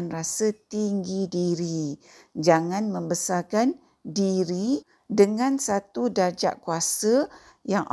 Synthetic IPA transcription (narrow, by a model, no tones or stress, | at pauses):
nrasət̪iŋɡidiɾi | d͡ʒaŋãnmə̃mbəsarkan | diɾi | dəŋãnsat̪udad͡ʒa̰ʔkuasə | jaŋʔ